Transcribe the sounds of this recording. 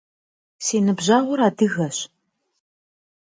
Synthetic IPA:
senɨbʑaʁʷʊɾaːdɨɣɐɕ

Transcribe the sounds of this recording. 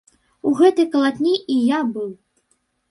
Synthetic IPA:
uɣɛt̪ɨjkɐlˠat̪ʲnʲiʔijabɨw

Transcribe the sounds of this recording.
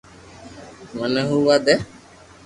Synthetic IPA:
mənəɦuwad̪ɛ

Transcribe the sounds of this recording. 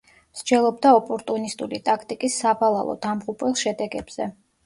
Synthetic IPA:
msd͡ʒɛlˠɔbd̪aɔpʼɔɾt̪ʼunist̪ʼulit̪ʼakʰt̪ʼikʼisːabalˠa̰lˠɔ̰d̪̥amʁupʼwɛlˠʃɛd̪ɛɡɛb̥z̥ɛ

